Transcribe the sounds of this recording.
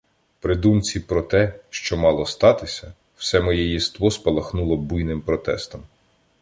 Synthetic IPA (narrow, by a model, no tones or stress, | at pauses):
pɾɪd̪umt͡sʲipɾɔt̪ɛʃt͡ʃɔmɑlˠɔst̪ɑt̪ɪsʲɐ | w̥sɛmɔjɛjist̪ʋɔspɐlˠɐxnulˠɔbujnɪmpɾɔt̪ɛ̰st̪ɔm